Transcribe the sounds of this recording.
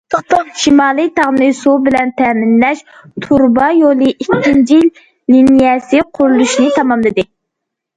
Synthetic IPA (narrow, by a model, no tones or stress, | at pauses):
t̪ʃimɑːlˠɨt̪ʰɑʁnɨsubɪlɛnt̪ʰɛmɪnlɛʃ | t̪ʰuɾbɑjolˠɨʔikʲʰːint͡ʃʰil | linijɛsɪqʰʊɾulˠuʃnɪt̪ʰɑmɑmlˠɨd̪ɨ